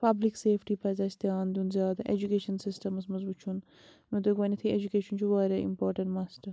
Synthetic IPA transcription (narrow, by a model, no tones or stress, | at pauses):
pɐblikseːfʰʈiːpɐzɐːst̪iaːnd̪unzjaːd̪ʔḛd͡ʒukeːʃɐnsisʈɐmɐsmɐzbuːt͡ʃʰun | mẽt̪oɡʋɐnɐt̪ʰied͡ʒukeːʃɐnt͡ʃʰuʋaːɾɐḭmpoːɾʈɐ̃ɳʈmaːsʈɐɾ